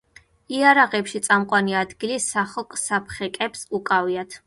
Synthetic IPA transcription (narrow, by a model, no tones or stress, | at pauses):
iaɾaʁɛpʃit̪sʼamqʼwaniad̪ɡilisaχɔkʼsapʰχɛkʼɛpsukʼaviat̪ʰ